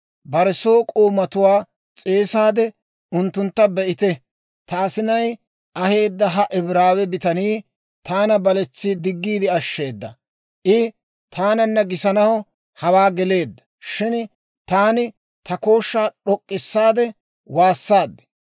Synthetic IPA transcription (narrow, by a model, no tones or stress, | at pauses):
bɐɾɛsoːkʼoːmɐt̪ʊwaː | t͡sʼeːsaːd̪ɛ | ʊnt̪ːʊnt̪ːɐbɛʔɪt̪ɛ | t̪ɐːsɪnɐj | ʔɐhe̞ːd̪ːɐɦɐʔɪbɾaːwɛbɪt̪ɐniː | t̪ʰaːnɐbɐlɛt͡sːid̪ɪɡːiːd̪ɪɐʃːe̞ːd̪ːɐ | ʔɪ | t̪ʰaːnɐnːɐɡɪsɐnɐhɔ | hɐwaːɡɛle̞ːd̪ːɐ̥ | ʃɪn | t̪aːnɪ | t̪ɐko̞ːʃːaːɗɔkʼːɪsːaːd̪ɛ | waːsːaːd̪ːɛ̥